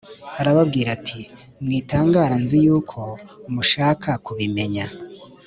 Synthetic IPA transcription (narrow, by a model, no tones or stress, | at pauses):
aɾaβabɡiːɾatʰi | mŋiːtaːŋɡaːɾanzijuːkʰo̞muʃaːkʰakuβime̞ɲa